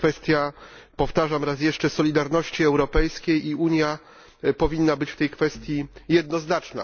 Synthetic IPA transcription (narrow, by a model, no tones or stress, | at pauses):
fɛst̪ʲjapɔft̪aʐamɾasjɛʂt͡ʂɛsɔlʲid̪aɾnɔɕt͡ɕiɛwɾɔpɛjskʲejiuɲja | pɔvʲinːabɘt͡ɕft̪ɛjkfɛst̪ʲjijɛd̪̚nɔznat͡ʂna̰